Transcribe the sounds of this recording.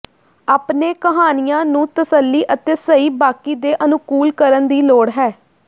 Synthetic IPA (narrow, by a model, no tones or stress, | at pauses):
aːpneːkəɦaːnɪjãːnũːt̪əsəlːiːʔət̪eːsəiːbaːkiːd̪eːʔənʊkuːlkəɾənd̪iːloːɽɦɛː